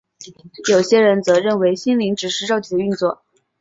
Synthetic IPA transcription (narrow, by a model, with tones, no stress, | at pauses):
jo˨˩ʊɕjɛ˥ɻə˧˥nt͡sɤ˧˥ɻə˥˩nwe˧˥ɪɕi˥nli˧˥ŋʈ͡ʂɻ̩˨˩ʂɻ̩˥˧ʈ͡ʂɑ˥˧ʊt͡ɕ̪ʰi˨˩d̪ə˦y˥˧nt͡swɔ˥˩